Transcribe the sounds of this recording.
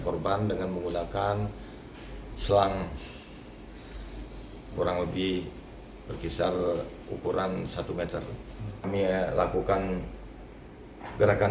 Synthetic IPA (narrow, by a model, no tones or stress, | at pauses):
kɔrbandəŋanməŋɡunakan | səlaŋ | boɾaŋləbih | bərkisar | ṵkuɾansat̪umet̪ər | amilakukan | ɡəɾaka